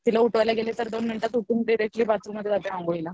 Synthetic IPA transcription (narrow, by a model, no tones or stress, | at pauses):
t̪ilauʈʋajlaɡelet̪əɾd̪onminʈat̪uʈuːnɖiɾek̚ʈliːbat͡sɾuməd̪ʱjeap̪aãŋɡoila